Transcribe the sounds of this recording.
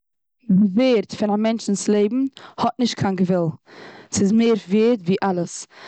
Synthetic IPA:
dɪveːɾtfɪnamɛnt͡ʃn̩slˠeɪbm̩hɔt̚nɪʃt̚kʰaːnɡəvɛlˠsɪzmeːɾveːɾtviːʔalˠəs

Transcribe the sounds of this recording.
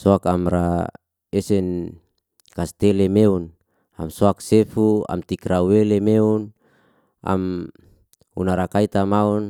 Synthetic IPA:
soakamɾa | esɛn | kast̪elemeun | a̰msoaksefua̰mt̪ikrawelemeun | a̰m | ṵnaɾakait̪amaun

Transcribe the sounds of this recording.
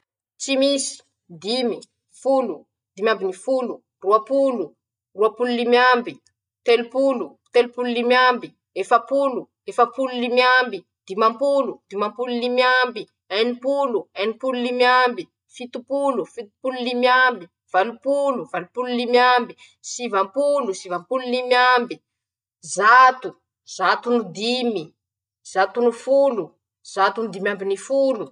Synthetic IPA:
t͡ʃimisi̥ | d̪imi | fulu | d̪imjambinifulu | ruapulu | ruapululimjambi | t̪elupulu | t̪elupululimjambi | efapulu | efapululimjambi | d̪imampulud̪̥imampululimjambi | ɛnipuluajnipululimjambi | fit̪upulufit̪u̥pululimjambi | v̥alupuluvalupululimjambi | sivampulusivampululimjambi | zat̪u | z̥at̪unud̪imi | z̥at̪unufulu | z̥at̪unud̪imambinifulu

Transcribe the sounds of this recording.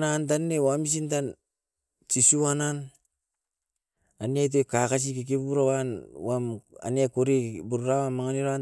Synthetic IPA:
nant̬anːewamis̬intan | t͡ʃisiwanan | aniajt̬okakas̬ikik̬ibuɾawanwama̰niakuɾibuɾuɾawamːaŋaniɾaa

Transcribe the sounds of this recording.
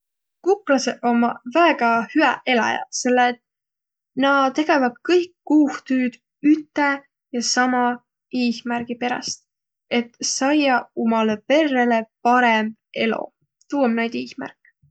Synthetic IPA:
kuklɑseʔo̞mɑvæeɡ̥ɑhyæʔe̞lɑ̰jɑ̰se̞lːet̪ | nɑt̪e̞ɡ̥e̞vɑd̪̥̚kɤjkːuːht̪yːd̪̥ | yt̪ːˑe | jɑsɑmɑ | iːsmærɡ̥ipe̞ɾɑ̰st̪̚ | e̞t̪sɑjɑomɑlepe̞rːe̞le̞pɑɾemb̥e̞lo̞̰ | t̪uːwemnæjd̪̥iːsmæ̰rkːˑ

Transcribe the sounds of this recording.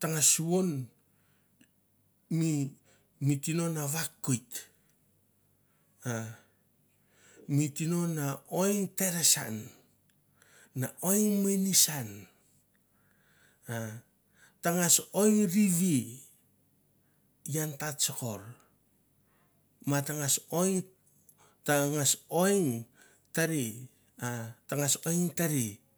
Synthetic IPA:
taŋasuβon | mi | mitino̞naβakːujt | a | mitino̞nao̞jŋte̞ɾesa̰n | aʔo̞jŋmenisan | a | taŋasojŋɾiβi | jantatsoko̞ɾ | mataŋasojŋ | taŋaso̞jŋ | taɾi | ataŋasojŋtaɾi

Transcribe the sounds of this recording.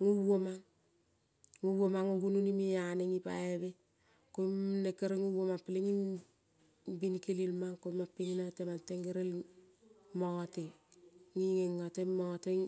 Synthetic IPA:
ŋuwomaŋ | ŋuwomaŋuɡununimijaneŋipa̰ebe | komnekeɾeŋuwomapileŋi | binkelilmaŋkomapːiŋinatemanteŋɡeɾel | mote | ŋiŋeŋːatemɔte

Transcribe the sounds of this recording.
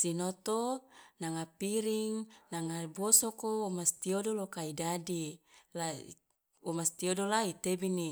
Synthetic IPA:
sinot̪onaŋapiɾiŋnaŋabosokoumast̪iodolokaidadila | umast̪iodolait̪ebini

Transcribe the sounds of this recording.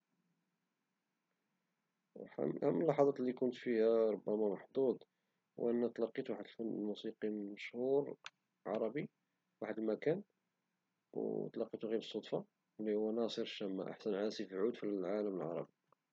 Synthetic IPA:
hæmːəlːɑħɑd̪ˤɑt̪lːikʊnt̪fihæɾˤobːæmæmɑħd̪ˤud̪ˤ | wʔənːæt̪lɑqːit̪uwaħəd̪əlfənːlmusiqiməʃhuɾ | ʕɑ̰ɾˤɑbi | waħəd̪lmækæn | w̰t̪lɑqːit̪uɣibəsˤːod̪ˤfɑ | lːihʊwːænɑsˤəɾʃːæmːæ̰ʔa̰ħsənʕaæsifʕud̪fiʕaləməlʕɑ̰ɾˤɑ̰bi

